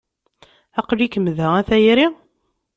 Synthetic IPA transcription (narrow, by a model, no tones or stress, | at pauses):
æqlikəmːðəæθæjɾi